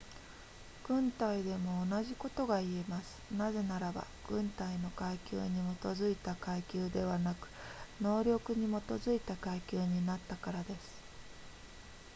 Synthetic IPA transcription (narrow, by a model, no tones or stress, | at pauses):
ɡ̥ɯ̟̃nt̪aid̪e̞mo̞ːnaʑiko̞t̪o̞ɡaie̞masɨ̥naze̞naɾaba̰ɡ̥ɯ̟̃nt̪aino̞kaikʲɨ̰ːɲ̟imo̞t̪o̞zɨit̪akaikʲɨːd̪e̞β̞anakɯ̟̥no̞ːɾʲjo̞kɯ̟ɲ̟imo̞t̪o̞zɨit̪akaikʲɨːɲ̟inat̪ːakaɾad̪e̞sɨ̥